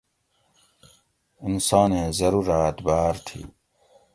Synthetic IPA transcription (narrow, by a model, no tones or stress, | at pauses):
insɑːneːzɐɾuːɾaːt̪baːɾt̪ʰḭː